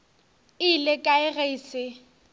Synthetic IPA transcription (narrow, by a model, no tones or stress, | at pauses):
ɪlɪkʼaɪɣeiːsɪ